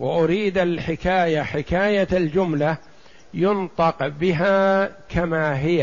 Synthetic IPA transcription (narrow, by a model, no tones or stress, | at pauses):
waʔʊɾiːd̪alħɪkaːjaħɪkaːjaald͡ʒʊmla | jʊnt̪ˤɑqbɪɦaːkʰamaːɦɪja